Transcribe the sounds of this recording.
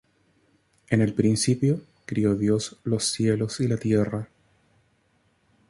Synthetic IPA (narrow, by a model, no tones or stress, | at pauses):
ene̞lpɾinsipjo | kɾio̞ðjo̞slo̞sːje̞losilat̪je̞ra